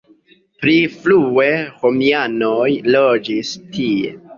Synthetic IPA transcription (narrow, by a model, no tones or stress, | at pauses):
pɾiflue̞homiano̞jlo̞d͡ʒistʰie̞̰